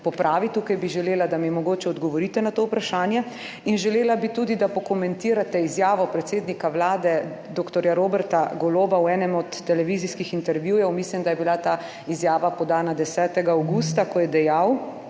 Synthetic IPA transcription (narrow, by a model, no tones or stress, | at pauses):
pɔpɾʔaːʋit̪ukajbiʒɛleːlad̪amimɔɡoːt͡ʃɛɔd̪ɡɔʋɔɾit̪ɛnat̪oːwpɾaʃaːnjɛ | inʒɛleːlabit̪uːd̪id̪apɔkɔmɛnt̪iːɾat̪ɛizjaːʋɔpɾɛt̪seːd̪nikawlaːd̪ɛ | d̪oːkt̪ɔɾjaɾoːbɛɾt̪aɡɔloːbawɛːnɛmɔt̪ːɛlɛʋiziskixint̪ɛɾʋjuːjɛwmislimd̪ajɛbilat̪aː | izjaːʋapɔd̪aːnad̪ɛsɛːt̪ɛɡaːwɡuːst̪akɔjɛd̪ɛjaw